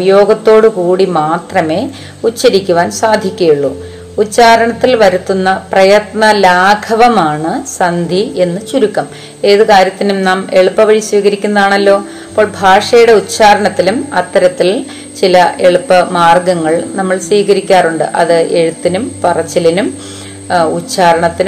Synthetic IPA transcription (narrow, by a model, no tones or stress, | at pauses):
jo̞ːɡɐt̪ːo̞ːɽɨkuːɽimaːt̪rɐme̞ː | ut͡ɕːɐɾikʲːuʋaːnsaːd̪ʱikʲːɐjuɭːu | ut͡ɕːaːɾɐɳɐt̪ːilʋɐɾut̪ːunːɐprɐjɐt̪nɐlaːɡʰʱɐʋɐmaːɳɨsɐnd̪ʱiʔe̞nːɨt͡ɕuɾukːɐm | e̞ːðɨkaːɾjɐt̪ːinumnaːme̞ɭupːɐʋɐɻisʋiːɣɐɾikʲːunːɐðaːɳɐlːo̞ː | ɐpːo̞ːɭbʱaːʂɐjuɽe̞ut͡ɕːaːɾɐɳɐt̪ːilumɐt̪ːɐɾɐt̪ːil | t͡ɕilɐe̞ɭupːɐmaːrɡɐŋːɐɭnɐmːɐɭsʋiːɣɐɾikʲːaːruɳɖɨʔɐ̰ðɨʔe̞ɻut̪ːinumpɐrɐt͡ɕːɐlinum | ut͡ɕːaːɾɐɳɐt̪ːin